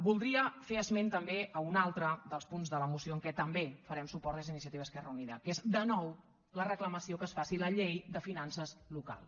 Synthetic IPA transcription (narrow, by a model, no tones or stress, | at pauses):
bulˠd̪ɾiəfeəzment̪əmbeʔəunalˠt̪ɾəd̪əlˠspunzðələmusioəŋkɛt̪əmbefəɾɛmsupɔɾt̪lezinisiət̪iβəskɛrəuniðə̰kezd̪ənɔw | lərəkləməsiokəsfasiləʎejd̪əfinansəzluka̰lˠs